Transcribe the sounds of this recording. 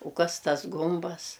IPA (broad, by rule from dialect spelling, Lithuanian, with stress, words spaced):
ʊ ˈkɐs ˈtɐs ˈɡʊmbɐs